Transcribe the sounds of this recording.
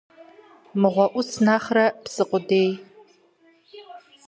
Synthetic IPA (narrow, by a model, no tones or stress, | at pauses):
mɨʁʷɔʔʷʊsnaːχrɐpsɨqʷʊdeːj